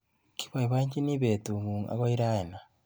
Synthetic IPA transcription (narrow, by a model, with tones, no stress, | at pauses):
ki̥˦βa˨iβa˦ɲi˦ni˦βe˨tu˨mu˨ŋa̰˦ɣo˦iɾa˦ena